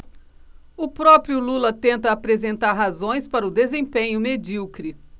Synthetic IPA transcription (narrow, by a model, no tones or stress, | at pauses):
ʊpɾɔpɾjʊlulɐt̪ẽnt̪ɐːpɾezẽnt̪aɾɦazõj̃spaɾɐʊd̪ezẽpẽɲʊmed͡ʒiwkɾi